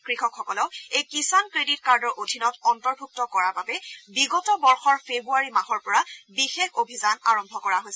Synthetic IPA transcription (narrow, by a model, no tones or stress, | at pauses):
kɹixɔkxɔkɔlɔʊejkisankɹeditkaɹdɔɹʔodʱinɔtɔntɔɹbʱuk̚tɔkɔɹababɛbiɡɔtɔbɔɹxɔɹpʰebuaɹimaxɔɹpɔɹabixexobʱizanaɹɔmbʱɔkɔɹaɦojsɛ